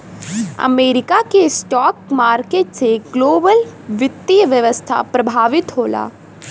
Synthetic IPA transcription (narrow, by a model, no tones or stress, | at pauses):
ɐ̰meːɾɪkakesʈɔːkmaːɾkeːʈseɡloːbəlʋɪt̪ːijəʋjəʋəst̪ʰa̰pɾɐbʱaːʋɪt̪ɦoːla̰ː